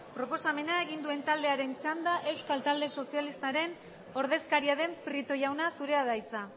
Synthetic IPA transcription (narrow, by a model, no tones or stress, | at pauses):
pɾo̞po̞same̞nae̞ɣind̪ue̞nt̪ald̪e̞aɾe̞nt͡ʃand̪aʔe̞wskalt̪ald̪e̞so̞sialist̪aɾe̞n | o̞ɾðe̞skaɾiaðe̞mpɾit̪o̞jawnasuɾe̞aðajt͡sa